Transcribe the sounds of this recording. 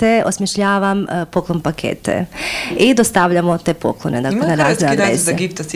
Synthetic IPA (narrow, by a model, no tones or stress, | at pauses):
eosmjeʃʎaːʋampo̞klˠonpakʰḛːt̪ḛid̪ost̪aʋʎamot̪epo̞̰klˠoned̪aleaɾaːziad̪eːzɡipt̪